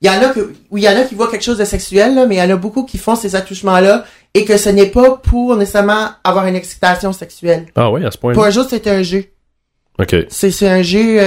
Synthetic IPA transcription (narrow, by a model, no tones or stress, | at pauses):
jɑ̃nakəwijɑ̃ːnakʲivwakʲɛlkʃozd̪əsɛksyɛlːʌmɛjɑ̃ːnabukukʲifɔ̃sezat̪uʃmɑ̃lʌ | ekəsənɛpapʰuʁnesesaʁmɑ̃avwaːʁynɛksi̥t̪asjɔ̃sɛksyɛla̰wia̰sə̥pwɛ̃puʁɛ̃ʒuːʁsɛt̪ɛɛ̃ʒø | o̰kʲʰḛsɛsɛɛ̃ʒø